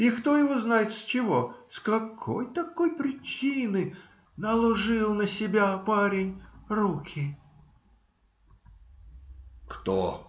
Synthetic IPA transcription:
ɪkt̪o̞jɪvoznajɪt̪st͡ɕɪvo̞skɐkʰojt̪ɐko̞jpɾʲɪt͡ɕinɨ | nəlˠʊʐɨlˠnəsʲɪbʲapaɾʲɪnʲrukʲʰɪ | kt̪o̰

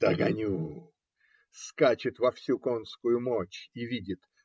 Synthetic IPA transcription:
d̪̥ɐɡɐnʲu | skat͡ɕɪt̪vɐfsʲukonskʊjʊmot͡ɕivʲidʲɪt̪

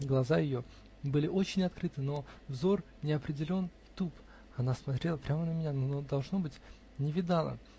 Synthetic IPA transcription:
ɡlˠɐzajɪjo̞ | bɨlʲɪo̞t͡ɕɪnʲɐt̪̚kɾɨt̪ɨno̞vzo̞r | nʲɪɐpɾʲɪdʲɪlʲo̞n | t̪up | ɐnasmɐt̪ɾʲe̞lˠəpɾʲamənəmʲɪnʲanood̪ɐlˠʐno̞bɨtʲ | nʲɪvʲɪd̪alˠə̰

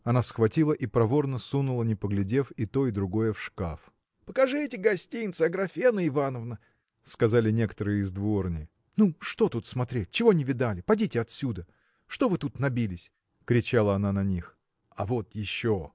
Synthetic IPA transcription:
ɐnasxvɐtʲilˠəʔipɾɐvo̞rnəsunʊlˠənʲɪpəɡlʲɪdʲe̞fit̪o̞ɪd̪ɾʊɡo̞jəfʂka̰f | pəkɐʐɨtʲɪɡɐsʲtʲijnt̪səɐɡɾɐfʲenəɪvanəvnə | skɐzalʲɪnʲe̞kət̪əɾɨjəɪzd̪vo̞rnʲɪj | nuʂt̪o̞t̪ut̪smɐt̪ɾʲet̚ʲt͡ɕɪvonʲɪvʲɪd̪alʲɪpɐdʲitʲɪɐt̪sʲud̪ə | ʂt̪o̞vɨt̪ut̪nɐbʲilʲɪsʲ | kɾʲɪt͡ɕalˠəɐnanɐnʲix | ɐvot̪jɪɕːo

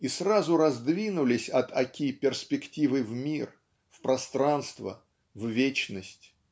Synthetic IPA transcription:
israzʊɾɐzd̪vʲinʊlʲɪsʲɐt̪ʰɐkʲipʲɪrspʲɪktʲivɨvmʲir | fpɾɐst̪ɾanst̪və̰ | vvʲet͡ɕnəsʲtʲ

